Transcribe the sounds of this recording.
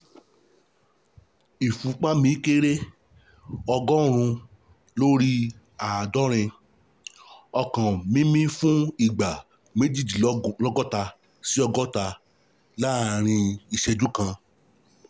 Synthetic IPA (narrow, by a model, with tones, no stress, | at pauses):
i˨fũ˨˦k͡pa˦mĩ˨˧˦ke˦ɾe˦ | ɔ˧ɡɔ˦ɾ̃ũ˧ | lo˦ɾi˦ | a˨dɔ˦ɾ̃ɛ̃˧ | ɔ˧kã˨mĩ˦mĩ˦fũ˦i˦˨ɡ͡ba˨ | me˨˦di˦˨d͡ʒi˨lɔ˦ɡɔ˦ta˧ | si˦ɔ˧ɡɔ˦ta˧ | la˦˧ɾ̃ĩ˧i˧ʃɛ˧d͡ʒu˦kã˧